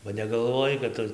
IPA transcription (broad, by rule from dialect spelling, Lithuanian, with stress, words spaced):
bɐ nʲɛɡɐlˠˈʋoːjɛɪ kɐt ˈtʊ